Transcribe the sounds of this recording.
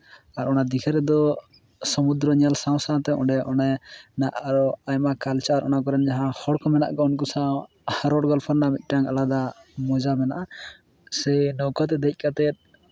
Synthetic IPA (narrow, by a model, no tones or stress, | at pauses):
aɾɔnad̪ikʰɛɾɛd̪ɔ | sɔmud̪ɾɔɲalsaw̃saãt̪ɛɔ̰̃ɖɛʔɔnɛnaʔaɾɔajmakalt͡ʃaːɾʔɔ̰nakɔɾɛnd͡ʒaɦãhɔɽkɔmɛna̰ʔɡɔunk̬usa | haɾɔɽɡɔlpʰɔɾnamic̪̚ˀʈaŋalad̪amɔd͡ʒamɛna̰ʔa | sɛnɔwkat̪̬ɛd̪ɛc̚ˀkat̪ɛt̪̚